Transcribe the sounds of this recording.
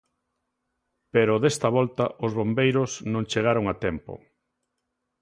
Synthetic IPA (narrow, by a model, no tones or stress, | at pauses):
peɾʊðest̪ɐβɔlt̪ɐʔʊzβombejɾʊsnõŋt͡ʃeɣ̞aɾoŋat̪ɛmpo̰